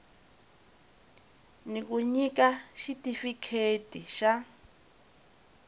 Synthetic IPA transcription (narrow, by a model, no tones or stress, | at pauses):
nik̬uɲik̬aʃitifikʰetiʃa